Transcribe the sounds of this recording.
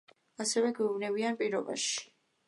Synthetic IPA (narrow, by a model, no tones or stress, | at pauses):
asɛvɛɡwɛuvnɛvianpʼiɾɔba̰ʃi̥